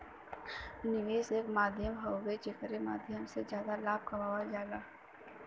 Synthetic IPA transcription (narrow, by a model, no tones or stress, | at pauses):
nɪʋeːseːkmaːd̪ʱjəmɦoːɡet͡ʃekəɾema̰ːd̪ʱjəmsezjaːd̪alaːb̚kɐmaːwad͡ʒaːɡaː